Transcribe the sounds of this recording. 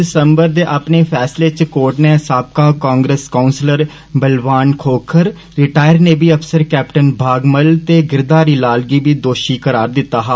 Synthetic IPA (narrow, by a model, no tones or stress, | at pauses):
ɪsəmbəɾd̪eːʔaːpneːpʰɛːsleːt͡ʃkoːɾʈneːsaːp̚kaːkãːŋɡɾəskaːʊnsləɾ | bəlʋaːnkʰoːkʰəɾ | ɾɪʈaːjəɾneːbiːəpʰsəɾkɛːpʈənbʱaːɡməlt̪eːɡɪɾd̪aːɾiːlaːlɡiːbiːd̪oːʃiːkəɾaːɾd̪ɪt̪ːaːɦaː